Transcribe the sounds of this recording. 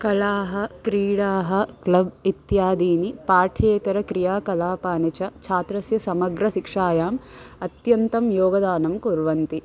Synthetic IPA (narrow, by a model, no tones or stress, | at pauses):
kɐlaːɦɐ̆kɾiːɽaːɦɐ̆klɐbit̪jaːd̪iːnipaːʈʰeːt̪ɐɾɐkɾijaːkɐlaːpaːnit͡ʃɐt͡ʃʰaːt̪ɾɐsjɐsɐmɐɡɾɐʃikʂaːjaːmɐt̪jɐnt̪ɐmjoːɡɐd̪aːnɐmkuɾʋɐnt̪i